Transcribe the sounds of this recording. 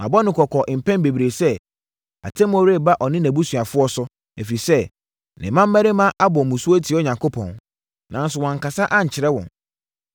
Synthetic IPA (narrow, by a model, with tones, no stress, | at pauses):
mã̰˨bɔ˦nɪ̃˨kʰɔ˨kʰɔ˨ʔɪ˨m̩˨pʰɛ̃˦n˦be˨bi˨ɾe˨sɛ˦ | a̰˨tʰɛ˦m˦ɔ˦ɾe˦˨ba˦ʔɔ˨nɪ̃˦næ̃˨bu˦sɥa˨fʊ˦ɔ˦sʊ˦ | æ˨fi˨i˨sɛ˦ | nɪ̰̃˨mã˦mː˦æ˦ɾe˦mã˦ʔa˦bɔ˨mʊ̃˨su˦o˦tʰi˨˦ɔ˦ɲã˨ŋkʰo˦pʰɔ̰̃˨n | nã˨n̩˦sʊ˨wɔ̃˨ŋ̩˨ka˨sa˦ʔa˦ɲ̩˨t͡ɕʰɪ˨ɾɛ˦wɔ̰̃˨n